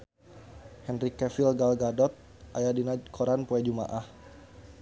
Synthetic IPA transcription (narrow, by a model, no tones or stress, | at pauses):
hɛnrikɛfilɡalɡadɔt̪̚ | ʔajadinakʰɔɾanpoɛd͡ʒuma̰ʔah